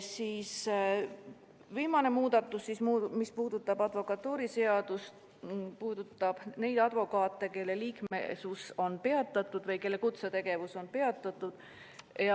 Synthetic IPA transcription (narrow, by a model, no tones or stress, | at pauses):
siːs | viːmɑne̞muːd̪̥ɑt̪ːˑusːismuːmispuːd̪̥ut̪ːˑɑb̥ɑd̪vo̞kɑt̪ːuːɾise̞ɑd̪̥ust̪ | puːd̪̥ut̪ˑːɑb̥ne̞jd̪̥ɑd̪̥vo̞kɑːt̪ːˑe̞ke̞lːe̞liːkmḛsuso̞npe̞ɑt̪ːˑɑt̪ːˑud̪vɤjke̞lːe̞kut̪set̪e̞ɡ̥e̞vuso̞npe̞ɑt̪ːˑɑt̪ːˑud̪̥ | jɑ